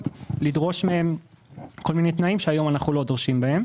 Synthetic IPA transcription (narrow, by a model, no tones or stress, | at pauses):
lidʁo̞ʃmeemko̞lminet̪naimʃeajo̞manaχulo̞d̪ʁʃimbae̞m